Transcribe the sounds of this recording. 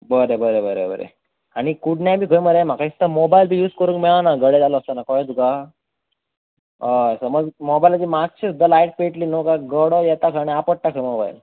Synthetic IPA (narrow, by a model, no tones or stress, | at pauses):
bəɾebəɾebəɾḛbə̰ɾḛ | aɽ̃ikuɽnjabʱiːkʰəjməɾem̤akaist̪əmobailbʱiːjuːd͡zkəɾuːŋkmɛɭanaɡəɽed͡zaləəst̪ənakɔjt̪uka | səməɡmobajlad͡ʑiːmak̚t͡ɕʰisd̪əlaiʈ̚peʈliːnokaɡəɽojɛt̪akʰəneapəɽ̚ʈakʰəjmoba̰j̰l